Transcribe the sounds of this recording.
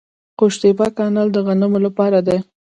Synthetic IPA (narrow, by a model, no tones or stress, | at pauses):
qoʃt̪ebakɑnɑld̪əɣanəmolapɑɾad̪e